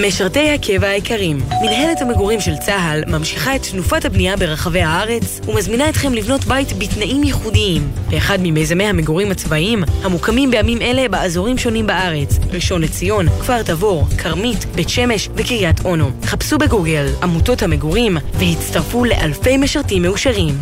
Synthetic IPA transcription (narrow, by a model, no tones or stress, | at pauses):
me̞ʃaʁte̞jhakʰe̞vaaekʰaʁimːinɦe̞lethame̞ɡoʁimʃe̞lt͡saalmamʃiχae̞ttnufathabniabe̞ʁaχave̞jhaaʁe̞t͡s | umazminaetχe̞mlivno̞tbajtbitnaʔimjeχudiimbeːχadmimejzamejhameɡoʁimhat͡svaʔimhamukamimbejamime̞le̞baazo̞ʁimʃo̞nimbaʔaʁe̞t͡sʁiʃo̞nlet͡sijo̞nkv̥aʁtavo̞ʁkʰaʁmitbe̞tʃe̞me̞ʃvekiʁijatʰʔo̞no̞tχapsubeɡuɡe̞lamuto̞thameɡoʁimvehitt͡staʁfule̞̰ʔalfe̞jmeʃaʁtimːeuʃaʁim